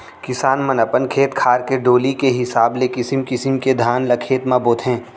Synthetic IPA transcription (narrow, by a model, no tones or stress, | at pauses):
kɪsaːnmɐnəpənkʰeːt̪kʰaːɾkeɖoːlikeɦɪsaːblekɪsɪmkɪsɪmked̪ʱaːnlɐkʰeːt̪maːboːt̪ɦɛ̃ː